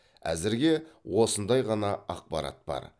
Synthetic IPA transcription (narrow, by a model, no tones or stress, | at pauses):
æ̰zɪɾɡʲe̞wo̞sənd̪ɑjʁɑnɑɑq̚pɑɾɑ̰t̪̚bɑ̰ɾ